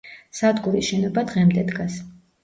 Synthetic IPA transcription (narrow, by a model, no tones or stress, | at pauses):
sad̪ɡuɾisʃɛnɔbad̪ʁɛmd̪ɛd̪ɡas